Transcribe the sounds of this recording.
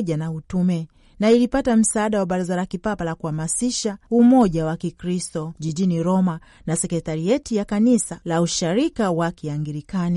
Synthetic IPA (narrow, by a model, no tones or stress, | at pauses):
ʄanautumɛ | nailipatam̩saːɗawaɓaɾazalakipapalakuhamasiʃaumɔʄawakikɾistɔʄiʄiniɾɔma | nasɛkɛtaɾiɛtijakanisalauʃaɾikawakiaŋɡiɾikani